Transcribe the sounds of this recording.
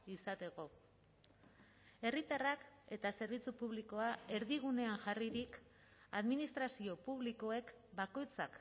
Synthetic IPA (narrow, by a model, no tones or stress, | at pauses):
isat̪e̞ɣo̞ | e̞rit̪arake̞t̪ase̞ɾβit͡supuβliko̞ae̞ɾðiɣ̞une̞aŋʝariɾik | a̰ðminist̪ɾasio̞puβliko̞e̞k | bako̞jt͡sak